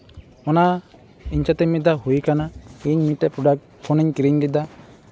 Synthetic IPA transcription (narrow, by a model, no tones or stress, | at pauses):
ɔna | iɲt͡ʃat̪ɛmid̪aɦujkanaiɲmiʈːɛpɾɔɖak̚ | pʰɔniɲkɾiɲdid̪a